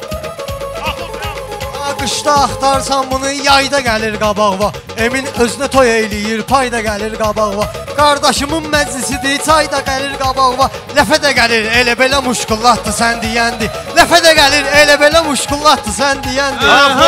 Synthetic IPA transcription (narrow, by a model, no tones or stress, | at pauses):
ɑɡɯʃd̪ɑːχt̪ɑɾɯsɑmbunɯjɑjd̪ɑɡæliɾɡɑbɑɣvɑ | eminø̞zynæt̪ʰo̞jeejlijiɾpʰɑjd̪ɑɡæliɾɡɑbɑɣvɑ | ɡ̥ɑɾd̪ɑʃɯmɯnmæd͡ʒlisid̪it͡s̪ʰɑjd̪ɑɡæliɾɡɑbɑɣvɑ | læfæd̪æɟæliɾelæbe̞læmuʃɡulˠːɑt̪̚ːɯsænd̪ijænd̪i | læfæd̪æɡæliɾelæbe̞læmuʃɡulˠːɑt̪ːɯsænd̪ijænd̪ia